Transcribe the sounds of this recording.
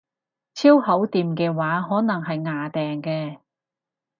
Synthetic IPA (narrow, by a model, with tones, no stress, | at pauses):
t͡sʰiː˥whɐ˨˥wt̪iː˨mkɛː˧waː˨˥ɦɔː˨˥nɐ˨˩ŋɦɐ˨jŋaː˨t̪ɛː˨ŋkɛː˧